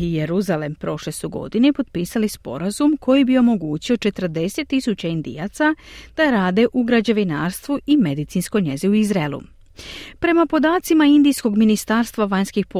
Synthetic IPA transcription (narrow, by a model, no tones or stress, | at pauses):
ijeɾuzale̞mpɾo̞ʃle̞suɡo̰d̪inepo̞d̪̚piːsalispo̞̰ɾazumkʰo̞jibio̞mo̞ɡuːt͡ɕio̞t͡ʃe̞t̪r̩d̪e̞se̞t̪ːisut͡ɕaind̪ḭjat̪sad̪̥aɾaːd̪e̞ʔuɡɾad͡ʑeʋinaːɾst̪ʋuime̞d̪it̪sinsko̞jɲe̞ziuizɾaelˠṵ | pɾe̞mapo̞d̪aːt̪simaind̪ijsko̞ɡminist̪aːɾst̪ʋaʋaɲskixpo